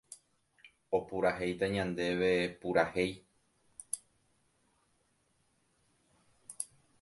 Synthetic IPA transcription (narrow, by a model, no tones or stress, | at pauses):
o̞puɾaɦe̞jt̪aɲãnd̪e̞ʋepuɾahe̞j